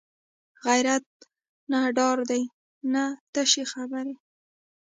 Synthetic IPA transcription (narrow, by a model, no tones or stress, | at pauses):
ɣajɾat̪̚ | naɖɑɾd̪aj | nat̪aʃexabaɾe